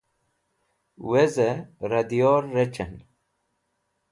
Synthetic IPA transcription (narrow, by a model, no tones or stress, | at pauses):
wezeɾɐd̪ijoːɾːet͡ɕɐn